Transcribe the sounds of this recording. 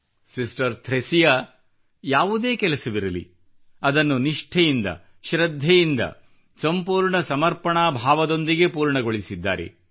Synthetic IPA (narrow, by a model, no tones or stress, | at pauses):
sisʈɐɾt̪ʰɾesijɐ | jaːʋud̪e̞ːkɛlɐsɐʋiɾɐlḭ | ɐd̪ɐnːuniʂʈʰɛjind̪ɐ̰ | ʃɾɐd̪ʱːɛjind̪ɐ̰ | sɐmpuːɾɳɐsɐmɐɾpɐɳaːbʱaːʋɐd̪o̞nd̪iɡe̞puːɾɳɐɡoɭisid̪ːa̰ːɾḛ